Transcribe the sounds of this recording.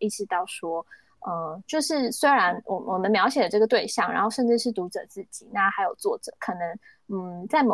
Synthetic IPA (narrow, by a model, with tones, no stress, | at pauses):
i˥˩ʈ͡ʂʰi˨˩t̪ɑ˥˩ʊʂwɔ˥ | ə˧t͡ɕjo˥˧ʊʂɻ̩˥˩swe˥ɪɻa˧˦˥nwɔ˨˩wɔ˨˩mə˦nmjɑ˧˥ʊɕjɛ˨˩d̪ə˩ʈ͡ʂɤ˥˩ɡə˩t̪we˥˧ɪɕjɑ˥˩ŋa̰˧˥nxo˥˧ʊʂə˥˧nʈ͡ʂɻ̩˥˧ʂɻ̩˥˩t̪u˧˥ʈ͡ʂɤ˨˩t͡sɹ̩˥˩t͡ɕi˨˩˦na˥˧xa˧˥ɪjo˨˩ʊt͡swɔ˥˩ʈ͡ʂɤ̰˨˩˦kʰɤ˨˩nɤ˧˥ŋ̩˥˩ | t͡sa˥˩ɪmo˨˩